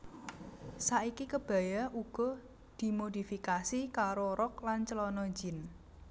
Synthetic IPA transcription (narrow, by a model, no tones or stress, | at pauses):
saʔikikəb̥a̤jauɡ̥ɔ | d̪̥i̤mod̪ifikasikaɾoɾɔk̚lant͡ʃəlɔnɔd͡ʒɪ̤n